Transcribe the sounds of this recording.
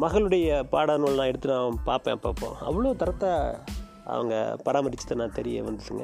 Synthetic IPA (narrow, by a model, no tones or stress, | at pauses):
mɐɣɐɭɯɽɐjɐpaːɽɐnuːɭnãːɛɽɯt̪ːɯnaɐ̃paːɾpḛ̃ːɐpːaːpːõ̰ːɐ̰ʋːɐɭoːt̪ɐɾɐt̪ːaː | ɐ̰ʋɐ̰ŋɡɐ̰pɐɾaːmɐɾɪt͡ʃːɐt̪ːɐnãːt̪ɛɾɪjɐ̰ʋɐnd̪ɯʈːɯŋɡɐ